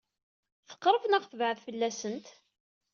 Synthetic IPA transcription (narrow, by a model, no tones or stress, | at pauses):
θə̥qːɾˤəvnəʁθəvʕəðfəlːæsənt̪